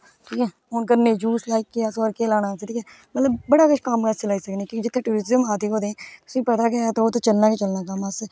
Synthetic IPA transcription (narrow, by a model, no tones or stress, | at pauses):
ʈʰiːkɛː | ʊnkəɾneːd͡ʒuːslaːiːkːijaːsoɾkeːlaːnaːsʈʰiːkʰɛː | mət̪ləbːəɽaːkəʃʰkaːmkaselaːiːsəkneːkõd͡ʒɪt̪ʰːẽːʈuːɾɪzəmaːt̪iːɦoːd̪eɛ̃ːt̪ʊ̥sĩːpət̪aːket̪ooːt̪ot͡ʃəlnaːket͡ʃəlnaːkamaːseː